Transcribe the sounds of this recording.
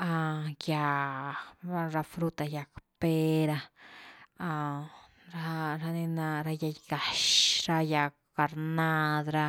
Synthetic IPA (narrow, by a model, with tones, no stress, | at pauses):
a˧ja˨˧ | a˦ɾa˧fɾu˦t̪a˧ja˧kpe˦ɾa˧ | a˧ | ɾa˦ɾa˧ni˧na˧ɾa˧ja˧jɡa˨ʃɾa˧ja˧kka˨ɾna˦˧d̪ɾa˦